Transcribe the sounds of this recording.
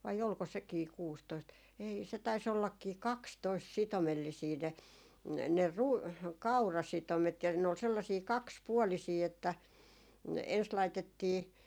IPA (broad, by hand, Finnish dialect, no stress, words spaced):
ʋɑi olko sekiː kuːstoist ei se tɑis olːɑkːiː kɑkstoist sitomelːisiː ne ne ru kɑurɑsitomet jɑ ne ol selːɑsiː kɑkspuolisiː etːæ ens lɑitetːiː